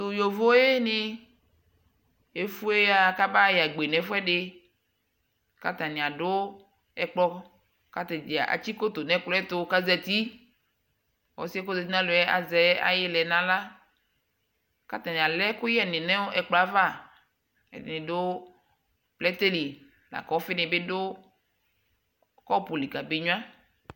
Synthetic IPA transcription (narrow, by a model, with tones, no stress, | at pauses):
tʊ˨jo˨vo˦e˦nɪ˦ | e˨fu˦e˦a˨ka˦ba˦ja˨ɡ͡be˨nɛ̃˨fʊ˦ɛ˦ɖɪ˦ | ka˨t̪a˨nɪ̃˨a˨dʊ˦ | ɛ˨k͡plɔ˦ | ka˨t̪ɛ˨d͡ʒi˨a̰˨ʔa̰˨t͡ʃi˦ko˦t̪o˨nɛ̃˨klɔ˦ɛ˦t̪ʊ˦ka˦zɛ˨t̪i˦ | wɔ̰˨˦si˦ɛ˦ko˦zɛ˨ti˦nã˦lʊ˨˦ɛ˦a̰˨zɛ˦a̰˨jɪ˦lɛ˨nã˦la˦ | ka˦t̪ã˨nĩ˨a˨lɛ˦kʊ˦jɛ˦˨nɪ̃˨nɛ̃˦o˦ʔɛ˨k͡plɔ˨a˦va˦˨ | ɛ̰˨nɪ̃˨dʊ˦ | plɛ˦t̪e˦li˨ | la̰˨kɔ˦fɪ˦nɪ̃˨be˦dʊ˦ | kɔ˦pu˨li˨ka˨be˨ɲũ˦ã˦